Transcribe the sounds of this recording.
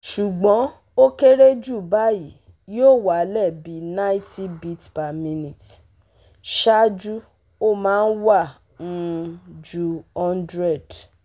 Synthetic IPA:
ʃu˨ɡ͡bɔ̃˨˦ | o˦ke˦ɾe˦d͡ʒu˦˨ba˨˦ji˨˦ | jo˦˨wa˨˦lɛ˦˨bi˨˦nã˦ĩ˦ti˦bi˦tpa˨mĩ˦˧nĩ˨t | ʃa˦d͡ʒu˦ | o˦mãː˨˦˧n̩˦wã˦˨˦ | d͡ʒu˦˧ɔ˦ndɾɛ˦˨d

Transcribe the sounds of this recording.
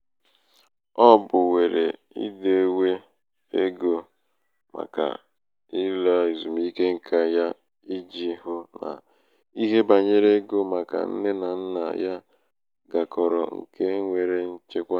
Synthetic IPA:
ɔ˦bʊ˨we˨ɾe˨ | ḭ˦de˨e˦we˦ | e˦ɡo˨ | ma̰˨ka̰˨ | i˦la˦i˨zu˨mi˦ke˦ŋ̩˨kʰa˦ja˦ | i˦d͡ʒi˦ɦʊ˦na̰˨ | i˦ɦe˦ba˨ɲe˦ɾe˦ɡo˦ma˨ka̰˨n̩˦ne˦na˨n̩˦na̰˨ja˦ | ɡa˨kɔ˨ɾɔ̰˨ŋ̩̰˨kʰe˦ŋʷe˨ɾe˦n̩˦t͡ʃe˦kʷa˦

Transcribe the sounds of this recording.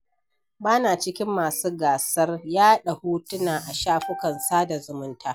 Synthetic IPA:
baː˦naː˨t͡ʃɪ˦kʲɪ˦mːaː˨suː˦ɡaː˨sɐ˦rjaː˦ɗa˨huː˦tʊ˦naː˨ʔa˨ʃaː˦ɸʊ˦kɐ˨nsaː˦da˨zʊ˨mʊ˦ntaː˦

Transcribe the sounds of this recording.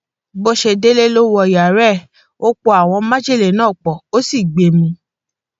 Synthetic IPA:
bo˦ʃe˧de˦le˦lo˦wɔ˧˨ja˨ɾɛ˦˨ | o˦k͡po˧˦a˨w̃ɔ̃˧mã˦d͡ʒe˦˨le˨nãː˦˨k͡pɔ˨o˦si˦˨ɡ͡be˨mĩ˧

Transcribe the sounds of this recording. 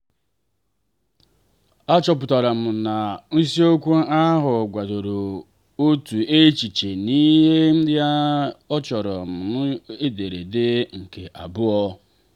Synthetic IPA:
a˦t͡ʃɔ˨pʊ˨ta˨ɾa˨m̩˨na˨n̩˦si˦o˦kʷu˦a˦ɦʊ˨ɡʷa˨do˨ɾo˨ | o˦tu˨e˦t͡ʃi˨t͡ʃe˨ni˦ɦe˦m̩˦dɪ˦a˦ɔ˦t͡ʃɔ˨ɾɔ˨m̩˨nʊ˦e˦de˨ɾe˨dɪ˦ŋ̩˨kḛ˨ʔa̰˨bʊ˦ɔ˦

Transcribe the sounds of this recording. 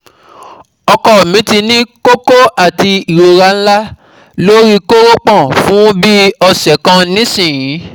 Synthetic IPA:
ɔ˧kɔ˨mĩ˨˦ti˧nĩ˦ko˦ko˦a˦˨ti˧i˨ɾo˧ɾa˧˦n̩˦la˦ | lo˦ɾi˦ko˦ɾo˦k͡pã˦˨fũ˦bi˦ɔ˧sɛ˨kã˧nĩ˦sĩ˦˨jĩ˨˦

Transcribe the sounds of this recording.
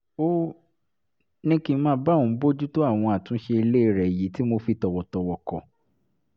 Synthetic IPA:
o˦ | nĩ˦kĩ˧˦mãː˦˧˦ba˦ũ˨˦bo˦d͡ʒu˦to˦a˦˨w̃ɔ̃˧a˨tũ˨˦ʃe˧i˧le˦i˦˨ɾɛ˨ji˨˦ti˦mo˧fi˧tɔ˨wɔ˨tɔ˨wɔ˨kɔ̰˨

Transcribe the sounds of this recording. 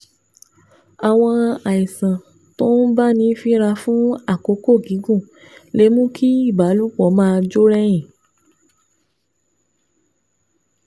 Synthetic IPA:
a˨w̃ɔ̃˧a˨i˨sã˨ | to˦n̩˦ba˦˨nĩ˧˦fi˦ɾa˧fũ˦a˦˨ko˨˦ko˦˨ɡĩ˨˦ɡũ˦˨ | le˨˦mũ˦ki˦i˦˨ba˨˦lu˦˨k͡pɔ˨˦mãː˧d͡ʒo˦ɾɛ˦j̃ĩ˨

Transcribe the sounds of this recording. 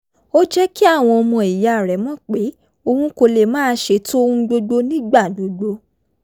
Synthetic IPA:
o˦d͡ʒɛ˦ki˦a˦˨w̃ɔ̃˧ɔ˧mɔ̃˧i˨ja˨ɾɛ˨˦mɔ̃˦˨k͡pe˨˦ | o˧hũ˦ko˧le˨mãː˦ʃe˧˦to˦o˦hũ˦ɡ͡bo˧ɡ͡bo˦nĩ˦ɡ͡ba˦˨do˨˦ɡ͡bo˧˦

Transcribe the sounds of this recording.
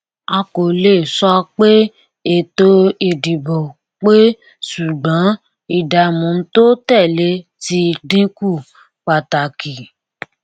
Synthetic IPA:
a˧ko˨le˦˨sɔ˧˦k͡pe˦ | e˨to˧˦i˨di˨bo˨ | k͡pe˦ | su˨ɡ͡bɔ̃˨˦ | i˦˨da˨mũ˨˦n̩˦to˦tɛ˦˨le˨˦ti˧dĩ˦ku˦˨ | k͡pa˨ta˨ki˨

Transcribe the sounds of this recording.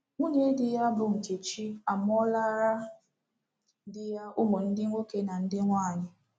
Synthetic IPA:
ŋʷo˦ɲe˦dɪ˨ja˦bʊ˨ŋ̩˨ke˨t͡ʃi˦a˨m˦ɔ˦la˦ɾa˦ | dɪ˦ja˦ʊ˦mo˨n̩˦dɪ˦ŋʷo˦ke˦na˨n̩˦dɪ˦ŋʷaː˦˨ɲɪ˦

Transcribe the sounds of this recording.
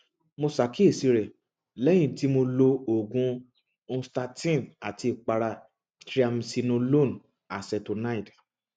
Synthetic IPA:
mo˧sa˨˦ki˦e˦˨si˧ɾɛ˨ | lɛ˦j̃ĩ˦˨ti˨˦mo˧lo˧o˨ɡũ˨˦˧ | sta˧tĩ˦˨na˨ti˧i˨k͡pa˧ɾa˧ | tɾi˦a˧msi˧nõ˧lo˦˨n | a˨sɛ˧to˨˧na˦i˦˨d

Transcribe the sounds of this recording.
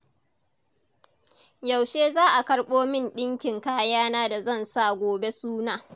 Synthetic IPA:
ja˨wʃeː˦zaː˦ʔa˨kɐ˦ɽɓoː˦mɪ˦nɗɪ˦ŋkʲɪ˨ŋkaː˦jaː˦naː˦da˨zɐ˦˨nsa˦˨ɡʷoː˨be˦suː˦naː˨

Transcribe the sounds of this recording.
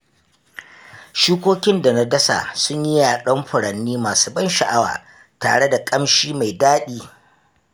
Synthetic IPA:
ʃiː˦kʷoː˦kʲɪ˦nda˨na˦dɐ˦sa̰˨sʊ˦ɲjɪ˦jaː˨ɗɐ˦mɸʊ˨ɽɐ˨nːiː˦maː˨suː˦bɐ˦nʃɐ˨ʔa˦wa̰ː˨ | ta̰ː˨ɽe˦da˨kʼɐ˦mʃiː˦ma˨jdaː˦ɗiː˦

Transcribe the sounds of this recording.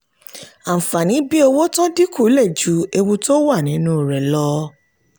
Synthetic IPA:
a˨fa˨nĩ˨˦bi˦o˧wo˦tɔ̃˦di˦ku˦˨˦lɛ˦˨d͡ʒu˨˦e˧wu˧to˦wa˦˨nĩ˨˦nũ˦˨ɾɛ˨lɔ˧

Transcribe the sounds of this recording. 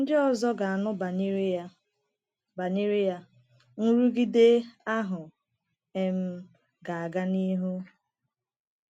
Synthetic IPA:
n̩˦dɪ˦ɔ˨zɔ˦ɡa˨a˨nʊ˦b | ba˨ni˦ɾi˦ja˨ | n̩˦ɾu˦ɡi˦de˦a˦ɦʊ˨ | e˦m̩˦ | ɡa˨a˨ɡa˦ni˦ɦu˦

